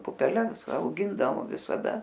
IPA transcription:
pʊpʲɛˈlʲɛs ɐʊˈɡʲɪndɐʋoː ʋʲɪsɐˈdɐ

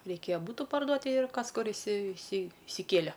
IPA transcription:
rʲɛɪˈkʲeːjɛ ˈbuːtʊ pɐrˈduɔt tʲɪ ɪr ˈkɐs ˈkʊr ɪsʲɪ ɪsʲɪ ɪsʲɪˈkʲeːlʲɛ

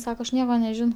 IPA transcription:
ˈsɑːkoː ɐʃ ˈnʲiɛkoː nʲɛˈʒʲɪnɐʊ

